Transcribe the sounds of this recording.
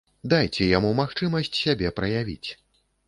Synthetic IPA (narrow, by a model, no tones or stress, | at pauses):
d̪ajt͡sʲɛjamumaxt͡ʂɨmɐsʲt͡sʲsʲabʲɛpɾɐjavʲḭt͡sʲ